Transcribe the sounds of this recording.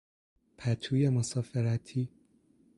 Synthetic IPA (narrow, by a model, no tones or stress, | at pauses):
pʰæt̪ʰuːjemosɒːfeɾæt̪ʰiː